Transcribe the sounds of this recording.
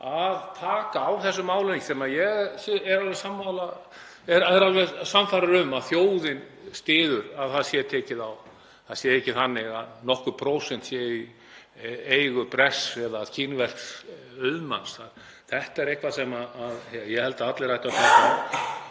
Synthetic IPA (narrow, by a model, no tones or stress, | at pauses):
aðt̪ʰaːkaːwθɛsːʏmaːwleiksɛmajɛɣsɛɾalvɛɾsamːawla | ɛɾaɛɾalvɛɾsamfaɾaɾʏmaðθjoːwðɪn | st̪ɪːðʏɾaðθaðsjɛt̪ʰɛːcɪðaw | θaðsjɛecːɪθanːɪɣa̰ðnɔhkʏpʰɾoːwsɛnt̪sjɛi | ejɣʏpɾɛsɛðacʰɪnvɛr̥ks | œðma̰nsθaɾ̥ | θɛht̪ɛɾejhkvasɛmaːðɛjɛhɛlt̪aat̪lɪɾajt̪at̪ʰɛːk